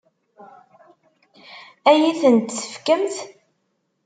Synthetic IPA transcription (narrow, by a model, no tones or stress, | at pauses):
æjiθənt̪sə̥fkəmθ